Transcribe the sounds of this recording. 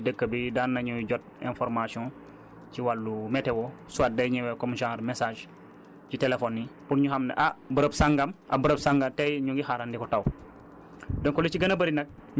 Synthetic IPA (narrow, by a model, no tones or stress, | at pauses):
dəkːəbidanːaɲuɟɔt̚ẽnfoɾmasiɔ̃ | ciwalːumɛtewosuaːt̚dɐjɲɛwɛkomʒãŋɾmesaːʒ | citelefonːipuɾɲuɦamnḛʔabəɾəbsaŋɡamʔa̰bəɾəbsaŋɡatejɲuŋɡixaɾandikɔtaw | dɔŋkɔlit͡ʃiɡɐnɐbɐɾinɐk̚ɲ